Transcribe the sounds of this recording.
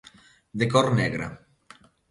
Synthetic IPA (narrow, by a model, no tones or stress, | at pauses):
d̪ekɔɾnɛɣɾa̰